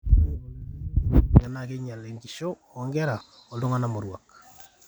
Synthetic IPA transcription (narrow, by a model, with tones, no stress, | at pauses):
a˨na˨ke˦ɲa˨le˨ŋɡi˨ʃo˦ | ɔ˨ŋɡɛ˦ɾa˨ | ɔ˨lo˦ŋa˦na˦mo˨ɾwa˨k